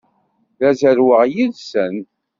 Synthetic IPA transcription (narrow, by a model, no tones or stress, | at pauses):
ðæzəɾwəʁjiðsən